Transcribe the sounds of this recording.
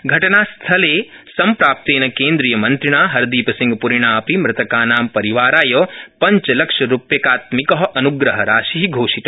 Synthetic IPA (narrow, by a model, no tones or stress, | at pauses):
ɡʱɐʈɐnaːst̪ʰɐleː | sɐmpɾaːp̚t̪eːnɐkeːnd̪ɾiːjɐmɐnt̪ɾiɳaːɦɐɾd̪iːpɐsĩŋɡpuɾiɳaːɐpimɾɪt̪ɐkaːnaːmpɐɾiʋaːɾaːjoːpɐɲt͡ʃɐlɐkʂɐɾupjɐkaːt̪mikɐɦɐʔɐnuɡɾɐɦɐɾaːʃiɦiɡʱoːʃit̪ɐ